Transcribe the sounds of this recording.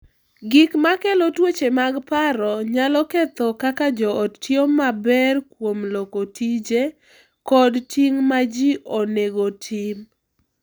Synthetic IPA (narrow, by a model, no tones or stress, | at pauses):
ɡɪkmakelotwot͡ʃemaɡpaɾɔɲalɔket̪ɔkakad͡ʒɔːttjomabɛrkwomlokotʰid͡ʒe | kɔdtiŋmad͡ʒiʔoneɡotʰim